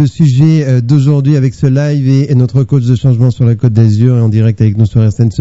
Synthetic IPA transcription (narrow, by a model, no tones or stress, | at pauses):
əsyʒɛød̪oʒuʁd̪ɥiavɛksəlajvenɔt̪χəkoʃd̪əʃɑ̃ʒmɑ̃syʁlakot̪̚d̪azyʁeɑ̃d̪iʁɛk̚t̪avɛknusyʁɛsɛns